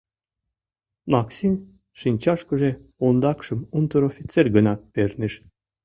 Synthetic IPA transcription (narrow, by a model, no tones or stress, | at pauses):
mɑksimʲ | ʃinʲt͡ɕɑʃkə̆ʒeond̪ɑkʃə̆munt̪əɾofʲit̪t͡serʲɡənɑpernɘʃ